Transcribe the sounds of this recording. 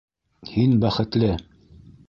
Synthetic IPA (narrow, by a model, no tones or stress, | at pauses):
hinbæχɘ̆t̪lɘ